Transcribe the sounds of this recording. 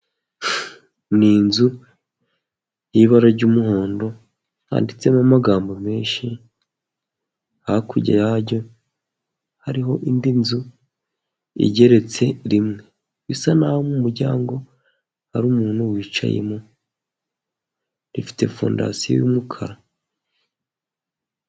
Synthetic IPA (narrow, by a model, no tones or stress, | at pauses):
ninzu | jiβaɾaɾɟuːmuho̞ːndo̞ | ha̰ːndit͡se̞mamaɡaːmbome̞ːnʃi | hakuɟa̰jaɾɟo̞ | haɾiɦo̞ʔindinzu | ḭɟe̞ɾe̞t͡se̞ɾimŋe̞ | βisanahomumuɾɟaːŋɡo̞ | haɾuːmuːnuwiːt͡ʃa̰jḛmo | ɾifi̥te̞fo̰ːnda̰sijo̰jṵmukʰaɾa